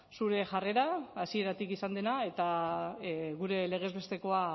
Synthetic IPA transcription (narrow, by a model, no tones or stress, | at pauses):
suɾe̞ʝare̞ɾaːsie̞ɾat̪ikisand̪e̞nae̞t̪a | ɣuɾe̞le̞ɣ̞e̞zβe̞st̪e̞ko̞a